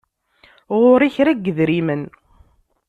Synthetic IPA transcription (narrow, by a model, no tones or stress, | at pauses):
ʁʊɾiçɾæɡːəðɾimən